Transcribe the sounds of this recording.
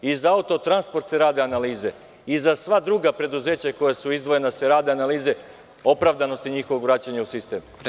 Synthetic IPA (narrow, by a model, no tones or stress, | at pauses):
izaaut̪o̞t̪ɾanspo̞ɾt̪seɾaːd̪eanaliːze̞ | izasʋad̪ɾuɡapɾe̞d̪uze̞ːt͡ɕako̞jasuizd̪ʋo̞je̞naseɾaːd̪eanaliːze̞ | o̞pɾaʋd̪ano̞st̪iɲixoʋoɡʋɾaːt͡ɕaɲausist̪eːm